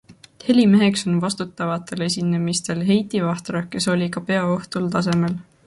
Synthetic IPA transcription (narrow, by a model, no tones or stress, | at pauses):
he̞lime̞ɦe̞kso̞nvɑst̪ut̪ːˑɑvɑt̪ːˑe̞le̞s̬ʲinemist̪e̞lɦe̞jt̪ˑivɑht̪ɾɑke̞so̞lʲikɑpe̞ɑo̞ht̪ult̪ɑs̬e̞me̞l